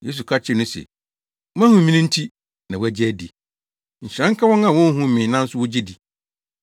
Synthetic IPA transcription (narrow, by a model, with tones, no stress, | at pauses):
je˦s̬u˨kʰa˦t͡ɕʰɪ˦˨nʊ̃˦sɛ̰˨˦ | mã˦hũ˨mĩ˦nĩ˦n̩˦tʰi˦ | nã˨wæ˦˨d͡ʑɪ˦æ˦di˨ | ɲ̩˨ɕɾã˦ŋ̩˦kʰa˦wɔ̃˦nã˨wɔ̃˦n˦ɦũ˦mɪ̃˨nã˦n̩˦sʊ˦wʊ˦d͡ʑi˦di˨